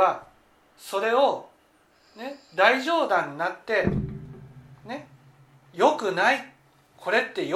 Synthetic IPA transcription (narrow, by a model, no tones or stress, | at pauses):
a | so̞ɾe̞o̞ | ned̪aiʑo̞ːd̪ãɲ̟ːinat̪ːe̞ | ne̞ | jo̞kɯ̟nai | kʰo̞ɾe̞t̪ːe̞j